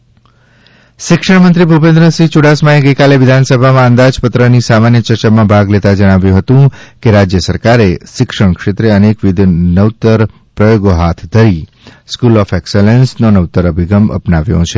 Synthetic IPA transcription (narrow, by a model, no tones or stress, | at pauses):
ʃɪkʂəɳmənt̪ɾibʱupẽnd̪ɾəsit͡ʃuɽasmaeɡəjkaleʋɪd̪ʱansəbʱamãənd̪ad͡ʒpət̪ɾənisamanjət͡ʃəɾt͡ʃamãbʱaɡlet̪ad͡ʒəɽ̃aʋjũɦət̪ũkeɾad͡ʒjəsəɾkaɾeʃɪkʂəɳ̃kʂet̪ɾeənekʋid̪ʱnəwt̪əɾ | pɾəjoɡoɦat̪ʰd̪ʱəɾi | skulɔfekselensnonəʋt̪əɾəbʱiɡəmə̰pnaʋjõ̰t͡ʃʰe